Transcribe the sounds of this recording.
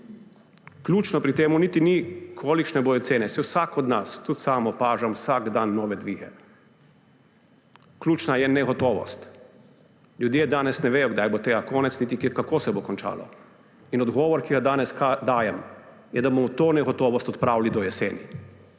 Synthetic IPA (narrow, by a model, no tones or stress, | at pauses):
klʲuːt͡ʃnɔpɾit̪eːmunit̪inikʰoːlikʃnɛboːjɔt̪seːnɛsɛwsakɔd̪nast̪ut̪saːmɔpaːʒamwsaɡd̪anːɔːʋɛd̪ʋiːɣɛ̰ | klʲuːt͡ʃnajɛnɛɣɔt̪ɔːʋɔ̰st̪ | lʲjud̪jeːd̪aːnɛsnɛʋeːjɔɡd̪ajbot̪eːɡakɔːnɛt̪snit̪ikkakoːsɛbokɔnt͡ʃa̰ːlɔ̰ | inɔd̪ɡɔːʋɔɾkiɡad̪aːnɛsad̪aːjɛm | jɛd̪abomɔt̪oːnɛɣɔt̪ɔːʋɔst̪ɔt̪pɾaːwlid̪ɔjɛsḛːnḭ